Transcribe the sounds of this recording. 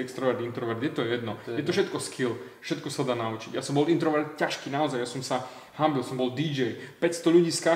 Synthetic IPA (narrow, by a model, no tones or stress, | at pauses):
ɛkst̪ɾɔʋɛɾd̪int̪ɾɔʋɛɾd̪jɛt̪ɔjɛd̪nɔjɛt̪ɔfʃɛt̪kɔskʰilfʃɛt̪kɔsad̪aːnaut͡ʃiɟjasɔmbɔlint̪ɾɔʋɛɾt̪caʃkiːnaɔzajjasɔmsa | hambilsɔmbɔld̪id͡ʒɛjpɛcst̪ɔʎuɟiːska